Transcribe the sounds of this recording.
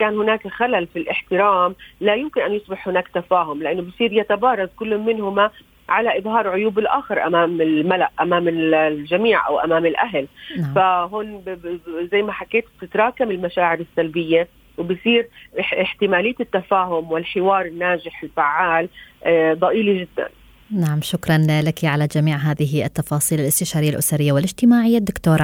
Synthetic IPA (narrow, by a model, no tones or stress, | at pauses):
kaːnhʊnaːkaxalalfilʔɪħt̪ɪɾaːmlajʊmkɪnʔanjʊsˤbɪħhʊnaːkt̪afaːɦʊmlɪʔanːobɪjsˤiːɾjat̪abɑːɾˤɑd̪kʊlːmɪnhʊma | ʕalaʔɪðˤɦɑːɾˤʕʊjuːbɪlʔa̰ːxɑɾˤʔa̰maːmɪlmalaʔʔamaːmɪʒamiːʕʔa̰wʔa̰maːmɪlʔaɦlfaɦoːn | zajːmaħakːeːt̪̚b̚t̪ɪt̪ɾˤɑːkamɪlmaʃaːʕɪɾɪsːalbɪjːa | wbɪsiːɾɪħt̪ɪmaːlɪjːaɪt̪ːafaːɦʊmwɪlħɪwɑːɾˤɪnːaːʒɪħɪlfaʕːaːld̪ˤɑʔiːliʒɪd̪ːa̰n | naʕamʃʊkɾˤɑnlakiʕalad͡ʒamiːʕɦaːðɪɦiɪt̪ːɑfɑːsˤiːlɪlɪst̪ɪʃɑːɾɪjːalʔʊsaɾɪjːawɪlʔɪd͡ʒt̪ɪmaːʕɪjːad̪ːʊkt̪oːɾˤ